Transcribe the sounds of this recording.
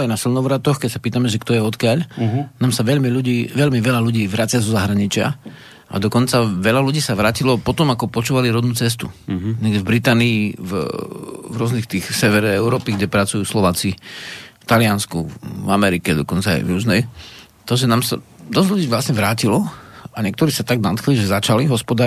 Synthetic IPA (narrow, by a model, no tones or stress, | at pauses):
ajnasilnɔʊʋɾat̪ɔxkɛcsapiːt̪amɛʒɛkt̪ɔjɛɔt̪kɪaʎnaːmsaʋɛʎmiʎuɟiːʋɛʎmiʋɛʎaluɟiːʋɾaːt͡sɪazɔzaɦɾaɲit͡ʃɪa̰ | ʔa̰d̪ɔkɔnt͡saʋɛʎaluɟiːsaʋɾaːcilɔpɔt̪ɔmakɔpɔt͡ʃuːʋaliɾɔd̪nuːt͡sɛst̪uɲɛɡɟɛvbɾit̪aːniiv | vɾʊɔznixt̪iːxsɛʋɛɾɛɛʊɾɔːpiɡɟɛpɾat͡sujuːslɔʋaːt͡sift̪alɪanskṵvamɛɾikɛd̪ɔkɔnt͡saa̰ɪvɾuznɛj | t̪ɔʒɛnaːmsa̰d̪ɔzʎuɟiːʋlasɲɛʋɾaːcilɔaɲɛkt̪ɔɾiːsat̪aɡnat̪kliʒɛzat͡ʃaliɦɔspɔd̪aː